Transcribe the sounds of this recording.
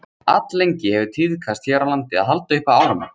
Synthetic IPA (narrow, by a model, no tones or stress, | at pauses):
a̰t̪lejɲcɪhɛvʏt̪ʰiðkʰast̪çjɛːɾalant̪ɪa̰ðɦalt̪aʏhpaaːwɾama̰n